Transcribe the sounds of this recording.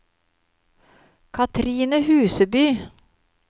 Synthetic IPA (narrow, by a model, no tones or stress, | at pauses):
kʰɑt̪ʰɾiːnəhʉːsəbyː